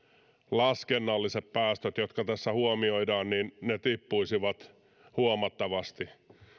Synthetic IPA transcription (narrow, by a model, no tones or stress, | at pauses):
lɑskenːɑlːiseppæːst̪øt̪jo̞t̪kɑt̪æsːæhuomio̞jdɑːnninːet̪ipːujsiʋɑt̪ | huomɑt̪ːɑʋɑst̪i